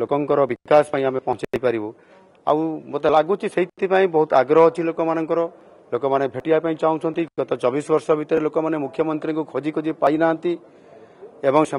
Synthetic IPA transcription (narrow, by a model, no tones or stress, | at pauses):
lokɔŋkɔɾɔbikaspaĩamepɔɦɔ̃t͡ʃiajpaɾibɔ | a̰w̃mot̪alaɡut͡ʃʰiseɦit̪t̪ipaĩbɔɦut̪aɡɾɔɦɔt͡ʃʰilokɔmanɔŋkɔɾɔ | lokɔmanebʱeʈiapaĩt͡ʃaw̃t͡ʃʰɔnt̪iɡɔt̪ɔt͡ʃɔbisbɔɾsɔbʱit̪ɔɾelokɔmanemukʰjɔmɔnt̪ɾiɔŋkukʰod͡ʒikod͡ʒipajnaːnt̪i | ebɔŋse